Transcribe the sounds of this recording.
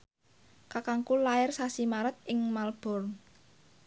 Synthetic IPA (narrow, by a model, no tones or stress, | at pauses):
kakaŋkulaɪrsasimaɾət̪̚ʔɪŋmalb̥ɔ̤r